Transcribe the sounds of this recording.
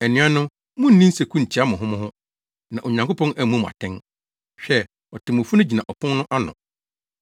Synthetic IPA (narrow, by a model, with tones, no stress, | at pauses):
ɛ˨nĩ˨˦a˦nʊ̃˦ | mʊ̃˦n̩˦nĩ˦n̩˦sɛ˨kʰũ˦n̩˨tʰi˨˦a˦mʊ̃˨ɦʊ̃˦mʊ̃˦hʊ̃˦ | nã˨ʔo˨ɲã˨ŋko˦pʰɔ̃˦næ˦mũ˦m̃˨a̰˨tʰɛ̃˦n | ɕᶣɛ˦ | ɔ˨tʰɪ̃˨mʊ̃˨fu˦nʊ̃˦d͡ʑi˨nã˨ʔɔ˨pʰʊ̃˦nnʊ̃˦ʔa˦nʊ̰̃˨